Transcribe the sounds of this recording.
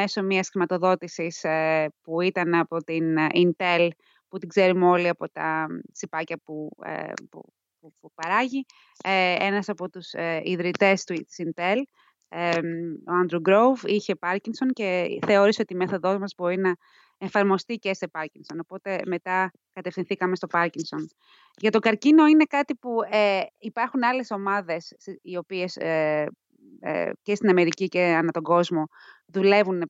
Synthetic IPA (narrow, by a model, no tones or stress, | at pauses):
eso̞miɐsxɾimɐt̪o̞ðo̞t̪isispuit̪ɐnɐpo̞t̪inint̪e̞l | put̪iɡze̞ɾumo̞liɐpo̞t̪ɐ̰sipɐcɐpṵpṵ | uupɐɾɐʝi | enɐsɐpo̞t̪usiðɾit̪e̞st̪ut̪i̥sint̪e̞l | o̞ɐnd̪ɾuɡɾo̞wviçe̞pɐɾciŋso̞nce̞θe̞o̞ɾiso̞t̪ime̞θo̞ðo̞zmɐzbo̞ɾinɐ | efɐɾmo̞st̪ice̞se̞pɐɾciŋso̞nopo̞t̪e̞me̞t̪ɐ | kɐt̪efθinθikɐme̞st̪opɐɾciŋso̞n | ʝɐt̪o̞ɡɐɾcino̞ine̞kɐt̪ipueipɐɾxunɐle̞so̞mɐðe̞sio̞pie̞s | ce̞st̪inɐme̞ɾiciceɐnɐt̪o̞ɡo̞zmo̞ | ðule̞vun